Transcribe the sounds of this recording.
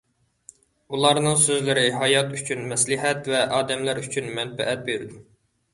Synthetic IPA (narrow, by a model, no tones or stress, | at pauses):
ulˠɑɾnɨŋsøzlɪɾɪɦɑjɑt̪yt͡ʃʰynmɛslɪɦɛt̪vɛʔɑːd̪ɛmlæɾyt͡ʃʰynmɛnbɛ̰ʔɛt̪̚beɾd̪u